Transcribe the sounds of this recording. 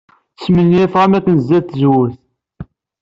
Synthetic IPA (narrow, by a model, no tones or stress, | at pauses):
θə̥smənːifʁæmækːənzːæθəzwʊθ